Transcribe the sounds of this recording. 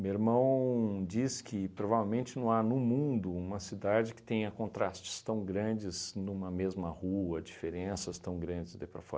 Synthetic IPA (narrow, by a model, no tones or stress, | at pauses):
meeɾmɐ̃w̃d͡ʒiskʰɪpɾovavewmẽnt͡ʃɪnɐ̃w̃anʊmũd̪ʊũmɐsid̪ad͡ʒɪkɪ̥t̪ẽj̃ɐkõnt̪ɾast͡ʃɪ̥st̪ɐ̃w̃ɡɾɐ̃d͡ʒɪznũmɐmezmɐhuɐd͡ʒifeɾẽsɐst̪ɐ̃w̃ɡɾɐ̃nd͡ʒɪzd̪ɛpɾɐfɔ̰ɾɐ